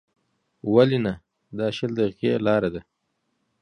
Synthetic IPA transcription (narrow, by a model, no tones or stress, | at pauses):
walina | d̪ɑːʃəld̪aɣelɑːɾad̪a